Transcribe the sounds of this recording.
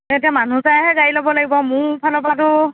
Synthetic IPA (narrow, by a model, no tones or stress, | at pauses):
etiamanusaɦɛɡailɔbɔlaɡibɔmʊɹpʰalɔpatʊ